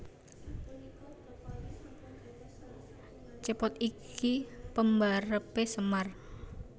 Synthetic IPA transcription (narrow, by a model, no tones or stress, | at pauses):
t͡ʃəpɔt̪ikʰipəmbaɾəpesəmar